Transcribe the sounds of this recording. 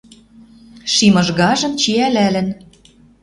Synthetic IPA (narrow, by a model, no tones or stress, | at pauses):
ʃimɤ̆ʒɣɑʒɤ̆mt͡ɕiælælɘ̆n